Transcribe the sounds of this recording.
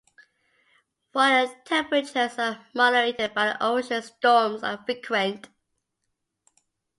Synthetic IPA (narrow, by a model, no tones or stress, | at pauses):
waɪətʰɛ̃mpɹət͡ʃəzəmɑɾəɹetɪd̚baɪ̰ʔoʊʃə̃nstɔːmzə̰fɹikʰwə̃nt